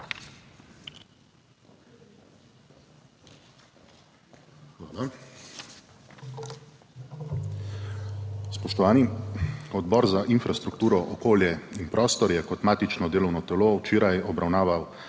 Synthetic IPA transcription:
xʋaːla | spɔʃt̪ɔʋaːniɔd̪bɔːɾzaʔinfɾast̪ɾuk̚t̪uːɾɔʔɔkoːljɛinpɾʔɔːst̪ɔɾjɛkɔt̪maːt̪it͡ʃnɔd̪eːlɔwnɔt̪ɛloːwt͡ʃeːɾajɔbɾawnaːʋaw

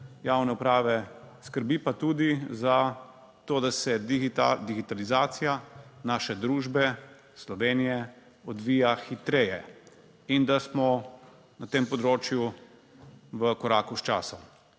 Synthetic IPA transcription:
jawnɛupɾaːʋɛ | skəɾbipat̪uːd̪iza | t̪oːd̪asɛad̪iɡit̪alizaːt̪sijanaːʃɛd̪ɾuːʒbɛ | slɔʋeːnijɛ | ɔd̪ʋiːjaxit̪ɾeːjɛ | ind̪asmɔ | nat̪eːmpɔd̪ɾoːt͡ʃju | ʋəkɔɾaːkust͡ʃa̰ːsɔm

